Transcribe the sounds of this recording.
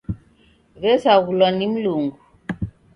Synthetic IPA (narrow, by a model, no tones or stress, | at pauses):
βɛsaɣulɔnim̩luŋɡu